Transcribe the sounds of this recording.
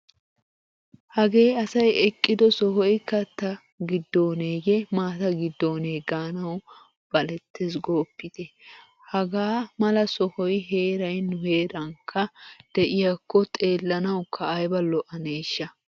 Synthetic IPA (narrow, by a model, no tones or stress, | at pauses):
hɐɡe̞ːɐsɐjɛkʼːɪd̪ɔsɔhɔjkɐt̪ːɐ | ɡɪd̪ːoːneːɡemaːt̪ɐɡɪd̪ːoːneːɡaːnɐw | b̥ɐlɛt̪ːes̬ɡoːpːɪt̪ɛ | hɐɡaːmɐlɐsɔhɔjɦe̞ːɾɐjnʊhe̞ːɾɐŋkʰːɐd̪̥ɛʔɪjakːɔt̪ʼe̞ːlːɐnɐwkʰːɐːjbɐlːɔʔɐneːʃːɐ